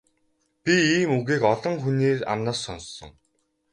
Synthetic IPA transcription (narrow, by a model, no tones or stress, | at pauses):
pʲiiːmuɣiːkɔɮɞ̆ŋxuneːra̰mnăsːɔnsːɞ̰̆ŋ